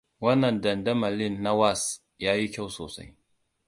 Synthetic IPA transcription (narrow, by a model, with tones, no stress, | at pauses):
wɐ˦nːɐ˨ndɐ˨ndɐ˦mɐ˨lɪ˦nːa˦wa˦˨s | jaː˦ji˦kʲa˦˨wsoː˨sa̰˦j